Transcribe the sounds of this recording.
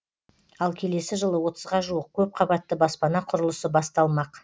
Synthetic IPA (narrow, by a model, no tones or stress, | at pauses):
ɑlˠkʲʰe̞le̞sɪʒəlˠəwo̞t̪ʰəzʁɑʒuəq̚kʲʰɵp̚qʰɑbɑt̪ːəbɑspɑnɑqʰʊɾəlˠəsəbɑst̪ɑlˠmɑq